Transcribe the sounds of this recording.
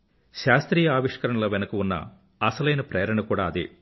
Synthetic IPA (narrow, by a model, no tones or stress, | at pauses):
ʃaːst̪ɾiːjɐaːʋiʂkɐɾɐɳɐlɐʋɛnɐkɐunːɐ̰ | ɐsɐlɐjnɐpɾeːɾɐɳɐkuːɽaːɐd̪ḛ